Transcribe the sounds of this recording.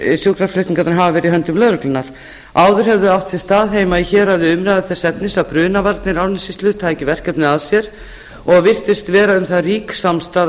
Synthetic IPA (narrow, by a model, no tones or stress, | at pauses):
sjuːkʰɾafflʏh̪iŋkat̪ɾɦavavɛɾiɦœnt̪ʏmlœːɾʏklɪnːaɾ̥ | aːwðʏɾ̥ɦɛvðʏawht̪sjɛst̪aːðɦeːjmaiçɛːɾavðɪʏmɾɛðaθɛsːɛpnɪsawpɾʏːnavaɾt̪nɪɾawnɪsist̪lʏt̪ʰaðɛhcːɪvɛr̥kɛpnɪaðsjɛɾ̥ | ɔɣvɪr̥t̪ɪst̪vɛːɾaʏmθaðriːksamst̪aː